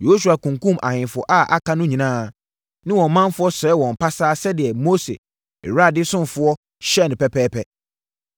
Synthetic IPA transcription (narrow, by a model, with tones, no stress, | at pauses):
je˨ho˦s̬u˨a˨kũ˨ŋkũ˦mʔa̰˨hɪ̃˨nfʊ˨ɔ̰˨ʔa˦˨ʔa̰˨ka˦nʊ̃˦ɲĩ˨nãː˦ | nɪ̃˦wɔ̃˨m˨˦mã˦m˦fʊ˦ɔ˦sɛ˨˦wɔ̃˨m˨pʰa˦saː˦sɛ˦dɪ˨ɛ˨mo˦sḛ˨ | ɾa˦˨dɪ˦sʊ̃˦m˨fʊ˦ɔ˦ | ɕɛ˦˨nɪ̃˨pɛ˦pʰɛː˦pʰɛ˦